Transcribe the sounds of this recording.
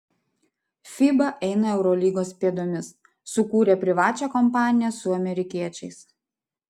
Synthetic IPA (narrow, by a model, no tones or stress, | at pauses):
fʲiːbɐʔɛɪnɐɛʊɾɔlʲiːɡoːspʲiɛd̪oːmʲɪsː | ʊkuːɾʲeːpʲɾʲɪʋɑːt͡ʃʲɛkɔmpɑːnʲɪjɛsʊɐmʲɛɾʲɪkʲiɛt͡ʃʲɛɪs